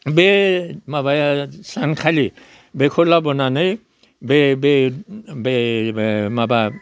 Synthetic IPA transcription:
bemabajasankʰali | bekʰɔlabɔnanaj | bebebe | maba

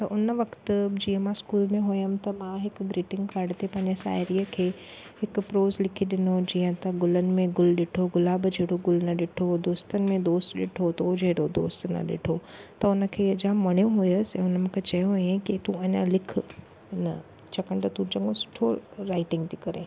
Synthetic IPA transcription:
t̪ɐʔʊnəʋɐkt̪d͡ʑiːə̃mãskuːlmẽɦʊjəmt̪ɐmãɦɪkɡɾiːʈɪ̃ŋɡkaːɾɖt̪epɐ̃ɦɪɲd͡ʑesa̰ːɾijəkʰeː | hɪkpɾoːzlɪkʰiɗɪnod͡ʑiːə̃t̪ɐɡʊlənɪ̆mẽɡʊlɗɪʈʰoɡʊlaːbd͡ʒeːɽoɡʊlnɐɗɪʈʰod̪oːst̪ənɪ̆mẽd̪oːst̪ɗɪʈʰot̪ood͡ʒeːɽod̪o̰ːst̪nɐ̰ɗɪ̰ʈʰot̪ɐʊnəkʰeːɐd͡ʒãːmɐɽ̃joɦʊjəsɛ̃ːʊnəmʊ̃kʰet͡ʃɐjõɦojẽkit̪ũɐɲã̰lɪkʰ | nɐ̰ | t͡ʃɐkəɽ̃t̪ɐt̪ũt͡ʃɐ̃ŋɡõsʊ̥ʈʰoɾaːɪʈɪ̃ŋɡt̪ikɐɾẽː

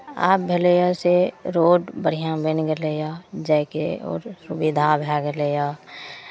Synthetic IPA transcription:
a̰ːp̚bʱelejaseɾoːɖbəɽ̤ijãbenɡəlejad͡ʒɛkeɔ̰ːɾsʊbid̪ʱabʱaɡəlejaː

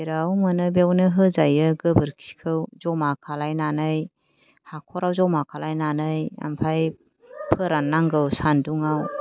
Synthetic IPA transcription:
eɾawmənɯbewnɯɦɯzajɯɡɯbɯɾkʰi̥kʰɯwzɔmakʰalajnanɯj | hakʰɔɾawzɔmakʰalajnanɯja̰mpʰaj | pʰɯɾanːaŋɡɯwsanduŋaw

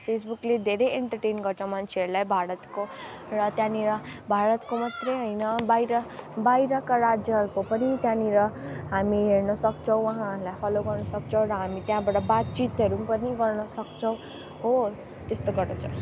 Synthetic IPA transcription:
pʰesbukled̪ʱeɾejeɳʈʌrʈejnɡʌɾt͡sʰʌw̃mant͡sʰeʌɾulajbʱaɾʌt̪korʌt̪jãniɾʌbʱaɾʌt̪komat̪rʌjɦʌjnʌbajɾʌbajɾʌkaɾad͡zjʌɦʌɾukopʌnit̪jãniɾʌɦamiɦernʌsʌkt͡sʰʌ̃w̃wʌɦãɾulajpʰaloɡʌrnʌsʌk̚t͡sʰʌ̃w̃ɾʌɦamit̪jãbaʈʌbat̪̚t͡sit̪ɦʌɾupʌniɡʌrnʌsʌk̚t͡sʰʌw̃ | ɦo | t̪est̪oɡʌrnʌt͡sʰʌ̃

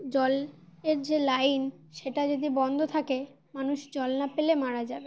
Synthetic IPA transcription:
d͡ʑɔleɾd͡ʑelajnʃeʈad͡ʑod̪ibɔnd̪ʱot̪ʰake | manuʃd͡ʑɔlnapelemaɽad͡ʑabe

